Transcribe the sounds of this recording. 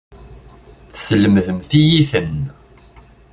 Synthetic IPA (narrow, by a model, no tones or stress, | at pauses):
θə̥sələməðəmθijiθən